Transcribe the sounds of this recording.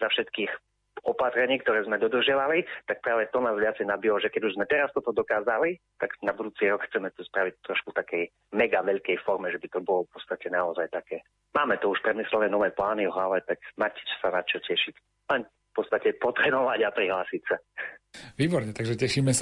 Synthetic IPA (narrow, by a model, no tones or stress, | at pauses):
zafʃɛt̪kiːx | ɔpat̪ɾɛɲiːkt̪ɔɾɛːzmɛd̪ɔd̪r̩ʒɪaʋalit̪ak̚pɾaːʋɛt̪ɔnaːzʋɪat͡sɛjnabilɔʒɛkɛɟuʒzmɛt̪ɛɾast̪ɔt̪ɔd̪ɔkaːzalit̪aɡnabud̪uːt͡siːɾɔkxt͡sɛmɛt̪uspɾaʋic̚t̪ɾɔʃkut̪akɛj | mɛɡaʋɛʎkɛjfɔɾmɛʒɛbit̪ɔbɔlɔfpɔt̪t͡st̪acɛnaɔzajt̪akɛː | maːmɛt̪ɔuʃpɾɛd̪mislɛnɛːnɔʋɛːplaːnivɔɦlaʋɛt̪akmacsanat͡ʃɔcɛʃic | lɛn | fpɔtt͡st̪acɛpɔt̪ɾɛːnɔʋaɟapɾiɦlaːsicsa | ʋiːbɔɾɲɛt̪aɡʒɛcɛʃiːmɛsa